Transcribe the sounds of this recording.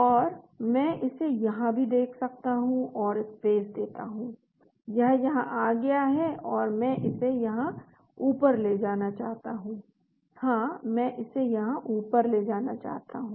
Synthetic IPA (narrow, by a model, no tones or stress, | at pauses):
ɔːɾ | mɛ̃ʔɪsejɐɦãbʱid̪eːkʰsɐk̚t̪aɦũɔːɾɪsfeːsd̪eːt̪a̰ɦũː | jɐɦjɐɦãʔaːɡɐjaɦɛɔːɾmɛ̃ːʔɪsejɐɦã | uːpəɾled͡ʒaːnat͡ʃaːɦt̪aɦũː | hãːmɛ̃ʔɪsejɐɦãʔuːpəɾled͡ʒaːnat͡ʃa̰ːɦt̪a̰ɦũː